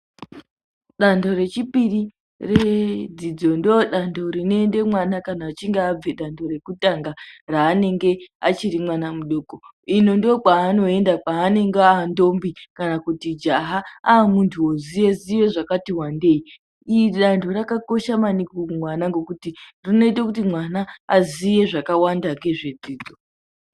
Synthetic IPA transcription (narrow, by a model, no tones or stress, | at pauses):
ɗando̞ɾe̞t͡ʃipiri | red͡zid͡zo̞ndoɗandʰo̞ɾino̞ende̞mwanakanaːt͡ʃiŋɡeab͡veɗandʰo̞ɾe̞kutaŋɡaraːne̞ŋɡe̞at͡ʃiɾimwanamuɗoːko | ino̞ndokaːno̞e̞ndakaːne̞ŋɡeaːndo̞mbikanakutid͡ʒaɦaaːmuntʰuozijeziʋe̞ʐakatiwande̞i | iɗandʰo̞ɾakako̞ʃamanikomwanaŋɡo̞kutirino̞it̬akutimwanaːzije̞ʐakawandaŋɡe̞ʐed͡ziːd͡zo